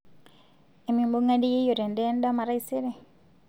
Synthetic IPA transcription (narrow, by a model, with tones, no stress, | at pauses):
e˨mi˨mbo˦ŋa˦di˦e˦jo˨ɾɛ˨ndɛ˦n˦dɔ˦ma˨ɾa˦i˦se˦ɾe˨